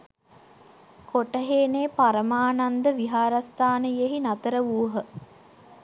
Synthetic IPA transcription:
koʈəɦeːneːpaɾəmaːnand̪əʋiɦaːɾast̪aːnəjeɦinat̪əɾəʋuːɦə

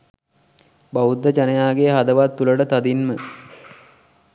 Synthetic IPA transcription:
baud̪ːət͡ʃanəjaːɡeɦad̪əʋat̪ːuləʈət̪ad̪inmə

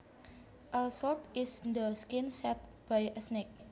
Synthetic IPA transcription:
ʔəsɔlt̪ɪsnd̪əskɪnsɛt̪̚b̥ajʔəsnek̚

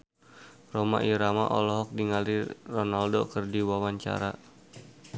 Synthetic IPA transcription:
roma̰ʔiɾama̰ʔɔlɔɦɔk̚diŋalirɔnaldokərdiwawaɲt͡ʃa̰ɾa

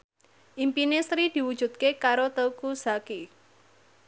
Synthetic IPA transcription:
ʔimpinesɾid̪̥i̤wud̥ʒ̥ṳd̪̚kekaɾot̪əwkuzaki

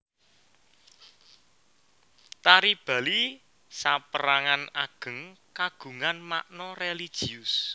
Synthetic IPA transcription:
t̪aɾib̥ä̤li | sapəɾaŋanaɡ̥ə̤ŋkaɡ̥ṳŋanma̰ʔnɔrelid̥ʒ̥i̤ʊs

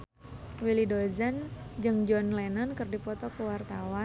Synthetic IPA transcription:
wilidozand͡ʒɨŋd͡ʒɔnlenankɨrdipɔt̪ɔkəwart̪awa

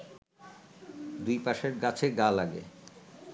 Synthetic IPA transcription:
d̪ujpaʃeɾɡat͡ɕʰeɡalaɡḛ

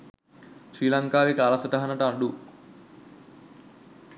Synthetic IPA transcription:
sriːlaŋkaːʋekəalasəʈəɦanəʈəaɳɖu

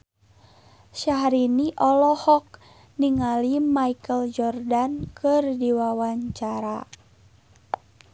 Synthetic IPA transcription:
ʃaɦɾiniʔɔlɔhɔk̚ | niŋalimaikəld͡ʒɔrdankɨrdiwawaɲt͡ʃaɾa

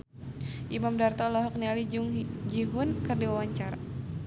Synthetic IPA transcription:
ʔimamdart̪ɔlɔɦɔk̚nialid͡ʒuŋd͡ʒiɦʊnkɨrdiwawaɲt͡ʃaɾa

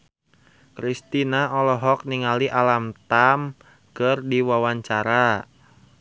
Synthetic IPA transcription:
kɾist̪inaɔlɔɦɔk̚niŋaliʔalamt̪am | kərdiwawaɲt͡ʃaɾa

